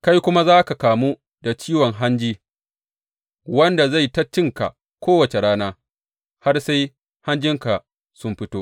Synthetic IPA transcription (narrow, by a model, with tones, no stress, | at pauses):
ka˦jkʷʊ˦ma˦zaː˦ka˨kaː˨mu˦ | da˨t͡ʃiː˦wɔ˨ŋɦa˦nd͡ʒiː˦ | wɐ˦nda˨za˦˨jtɐ˦t͡ʃːɪ˦ŋka̰˨ | kʷʰoː˦wɐ˨t͡ʃe˨ɽaː˦naː˦ | ha˦rsa˦j | ha˦nd͡ʒɪ˦ŋka˨ | sʊ˦mɸɪ˦toː˦ʔ